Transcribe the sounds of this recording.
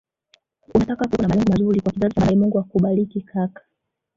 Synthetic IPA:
unatakakunamalɛŋɡɔmazuɾikwakizaziaajɛmuŋɡuakuɓalikikʰakḁ

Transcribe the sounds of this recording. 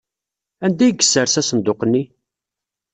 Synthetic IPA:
ænd̪æjɡə̥sːəɾsæsənd̪oqnːi

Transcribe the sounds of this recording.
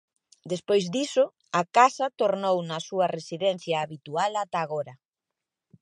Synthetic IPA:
d̪espojzd̪isʊ | akasɐt̪oɾnownɐsuɐresiðɛn̟θjaːβit̪ualat̪aːɣoɾɐ

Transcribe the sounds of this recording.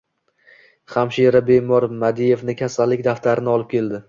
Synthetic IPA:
χamʃiɾabe̞mɒɾmad̪ije̞vnɪkʲʰasalːɪk̚ʲd̪aft̪ʰaɾɪnɪɒlˠɪp̚kʲe̞ld̪ɪ

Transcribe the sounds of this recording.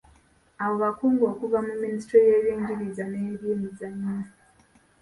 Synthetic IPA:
aβo̞βakuːŋɡo̞ːkuvamuministɾoje̞ːβiːɲɟiɾizaneːiɾjiːnizaɲa

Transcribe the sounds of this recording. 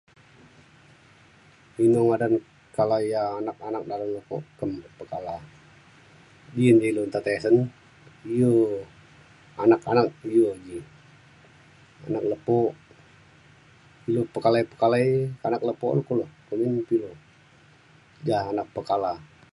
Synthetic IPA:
minoŋadan | kalaijaːnak̚anak̚daləmləpoʔkəmpəkala | diənd͡ʒailont̪at̪esən | iju | anakanak̚ijud͡ʒi | a̰nak̚ləpɔʔ | ilopəkalaipəkalaikanak̚ləpɔʔləkulokəminpilo | d͡ʒaanak̚pəkala

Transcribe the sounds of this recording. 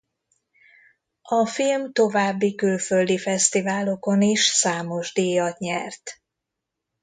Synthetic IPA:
ɒfilmt̪o̞vaːbːikylføld̪ifɛst̪ivaːlo̞ko̞niʃsaːmo̞ʒd̪iːjɒt̪ɲɛrt̪

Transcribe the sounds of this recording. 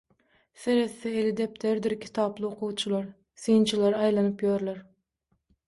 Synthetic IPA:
seɾeθːɛelɪd̪ep̚t̪ʰeɾd̪ɪɾkʲʰi̥t̪ʰɑːplˠɨoqʰuwt͡ʃʰulˠɑɾ | sɨjnt͡ʃʰilˠɑɾɑjlˠɑnɨpjoɾlˠɑɾ

